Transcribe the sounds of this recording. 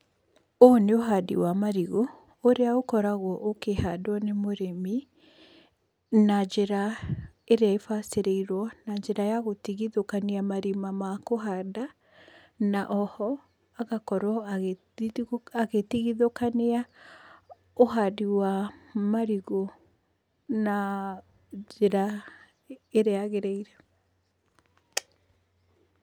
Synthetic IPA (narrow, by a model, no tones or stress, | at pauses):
oneoɦadḭwamaɾiɣo | oɾeaokɔɾaɣɔʔokehadwɔnemoɾemi | nad͡ʒeɾa | eɾeaefaseɾeiɾwɔnaɲd͡ʒeɾajaɣotiɣiðokaneamaɾimamakoɦada | naʔɔhɔ | aɣakɔɾwɔaɣe | aɣetiɣiðokanea | oɦadiwamaɾiɣo | na | d͡ʒeɾa | eɾeaɣeɾɛiɾɛ